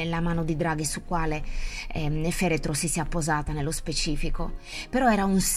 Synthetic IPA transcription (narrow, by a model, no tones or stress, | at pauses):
elːamaːnod̪id̪ɾaːɡisukːwaːle | nefɛːɾet̪ɾosisiapːozaːt̪anelːospet͡ʃiːfiko | peɾɔɛːɾauns